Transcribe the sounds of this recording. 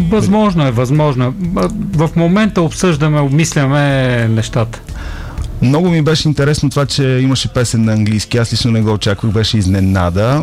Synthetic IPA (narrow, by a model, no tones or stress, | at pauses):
vɐzmɔʒnoɛvɐzmɔʒnoɛvəfmomɛnt̪əopsɤʒd̪əmɛobmislʲəmɛnɛʃt̪at̪ə̥ | mnɔɡʊmibɛʃɛint̪ɛɾɛsnot̪ovat͡ʃɛiməʃɛpɛsɛnːɐɐŋɡlijskiaslit͡ʃnonɛɡɔot͡ʃakvəxbɛʃɛizmɛnad̪ə